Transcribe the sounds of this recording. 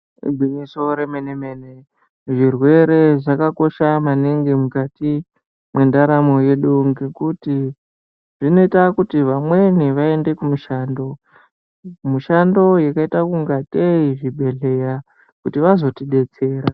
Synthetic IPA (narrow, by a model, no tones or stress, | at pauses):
ɡʱwiɲiso̞ɾemeneme̞ːne | ʐirwe̞ɾe̞ʐakako̞ʃamaneŋɡemukati | mwe̞ndaɾamoje̞ɗuŋɡekuti | ʐ̥ino̞itakutiʋamwe̞niʋae̞nde̞kumuʃaːndo̞ | muʃando̞jakaitakuŋɡateiʐibʱe̞ɮe̞ja | kutiʋazo̞tiɗe̞t͡se̞ːɾa